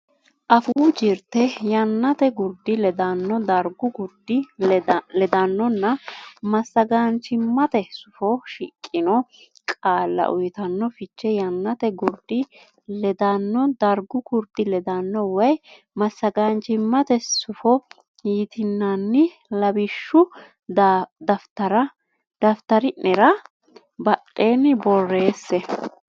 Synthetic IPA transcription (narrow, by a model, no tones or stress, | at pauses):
ʔɐfud͡ʒɪɾt̪ɛjɐnːɐt̪ɛɡʊɾd̪ɪlɛd̪ɐnːɔd̪ɐɾɡʊkʊɾd̪ɪ | lɛd̪ɐnːɔnːɐmɐsːɐɡant͡ʃɪmːɐt̪ɛsʊfɔʃɪkʼːɪnɔ | kʼaːlːɐ̰ʔʊjt̪ɐnːɔfɪt͡ʃːɛjɐnːɐt̪ɛɡʊɾd̪ɪ | lɛd̪anːɔd̪ɐɾɡʊkʊɾd̪ɪlɛd̪anːɔwɐj | mɐsːɐɡaːnt͡ʃɪmːɐt̪ɛsʊfɔ | hiːt̪ɪnːanːɪ | lɐbɪʃːʊ | d̪ɐft̪ɐɾɐ | d̪̥ɐft̪ɐɾɪɛɾɐ | bɐɗʼːe̞ːnɪbɔrːe̞ːsːɛ